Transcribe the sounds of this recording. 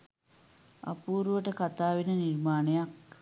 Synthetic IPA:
a̰puːɾuʋəʈəkat̪aːʋinənirmaːnejak

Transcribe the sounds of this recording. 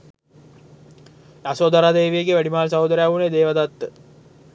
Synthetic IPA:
jasoːd̪aɾad̪eːʋijeɡeʋæɖimaːlsaud̪əɾjaʋuned̪eːʋad̪at̪ːə

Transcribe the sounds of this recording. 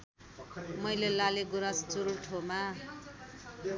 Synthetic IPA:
mʌjlelaleɡuɾast͡suɾuʈʰoma

